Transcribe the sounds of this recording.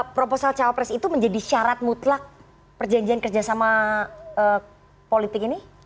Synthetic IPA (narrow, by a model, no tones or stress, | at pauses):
pɾoposalt͡ʃawapɾɛsit̪uməɲd͡ʒadiʃaɾat̪̚mut̪lak̚ | pərd͡ʒaɲd͡ʒiankərd͡ʒasamaə | polit̪ɪkini